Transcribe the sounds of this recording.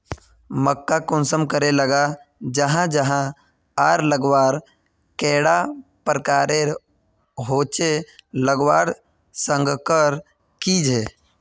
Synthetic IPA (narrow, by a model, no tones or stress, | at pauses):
məkːakʊnsəmkəɾeləɡad͡ʒəɦãd͡ʒəɦã | aːɾləɡwaːɾ | kɛːɽa | pəɾkaːɾe | ɦoːt͡ʃeləɡwaːɽ | sə̃ŋɡʱkəɾ | kid͡ʒeː